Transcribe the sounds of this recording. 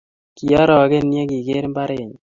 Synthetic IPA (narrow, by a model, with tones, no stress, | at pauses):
ki˨a˦ɾɔ˨ɡe˦nje˦ki˨ɡe˦ɾmba˦ɾe˨ɲ